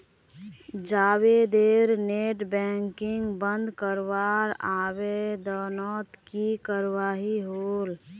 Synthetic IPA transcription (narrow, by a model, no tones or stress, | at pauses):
d͡ʒaːwed̪eːɾneːʈbɛ̃ːŋkɪ̃ŋɡbə̃nd̪kəɾwaːɾaːwed̪ɔːnɔːt̪kikəɾwaːɦiɦoːl